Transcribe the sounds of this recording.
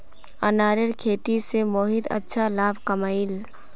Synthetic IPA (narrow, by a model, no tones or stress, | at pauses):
ənaːɾəɾkʰeːt̪isemoːɦɪd̪ɐ̰tːʃʰalaːbʱkəmaːɪl